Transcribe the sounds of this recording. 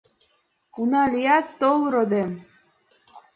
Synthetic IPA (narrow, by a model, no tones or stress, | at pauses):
unɑlʲijɑt̪ːolˠɾod̪em